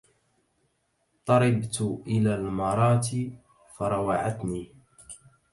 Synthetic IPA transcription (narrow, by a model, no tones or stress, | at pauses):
t̪ˤɑɾˤɑbt̪ʔɪlaːlmɑɾˤɑːt̪ | fɑɾˤɑwaʕat̪niː